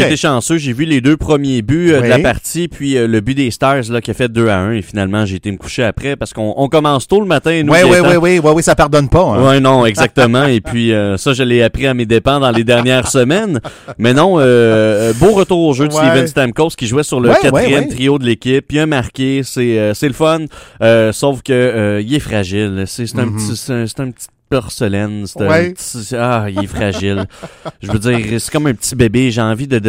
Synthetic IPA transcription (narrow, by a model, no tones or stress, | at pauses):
ʒːt̪eʃɑ̃søʒevyled̪øpχəmjebyød̪əlapaʁt̪sipʰɥiøləbyd̪est̪ɑzlʌkʲiafɛt̪̚d̪øaœ̃efinalmɑ̃ʒeːt̪eməku̥ʃeapʁɛpaʁsə̥kɔ̃ʔɔ̃kɔmɑ̃st̪uləmat̪ɛ̃nuwiwwiwiwisapaʁd̪ɔnpɔɛ̃wɛnɔ̃ɛɡzak̚t̪əmɑ̃epʰɥiøsʌʒəleapʁiamed̪epɑ̃d̪ɑ̃led̪ɛʁnjɛːʁsəmɛnmɛnɔ̃øboʁət̪uːʁoʒød̪ivɛ̃nst̪ɛmkoskʲiʒuwɛsyʁləkat̪χijɛmt̪ʁijod̪əlekʲɪpiɛ̃maʁkʲesɛøsɛləfɔnøsoʊfkʲəːilɛfʁaʒɪlsese̥t̪ɛ̃pt͡sisɛ̃se̥t̪ɛ̃pt͡si̥t̪̚pœʁsəlɛnse̥t̪ɛ̃pt͡siailɛfχaʒɪlʒəvød͡zziːʁsɛ̥kɔmɛ̃pətt͡sibebeʒeɑ̃vid̪ə